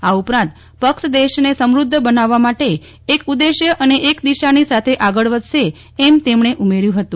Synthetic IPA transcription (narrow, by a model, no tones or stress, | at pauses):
aupɾãnt̪ | pəkʃd̪eʃnesəmɾʊd̪ʱːəbənaʋːamaʈeː | kud̪eʃjəʔəneʔekd̪iʃanisat̪ʰeʔaɡəɭʋəd̪ʃeː | mt̪emɳeʔumeɾjũɦət̪ũ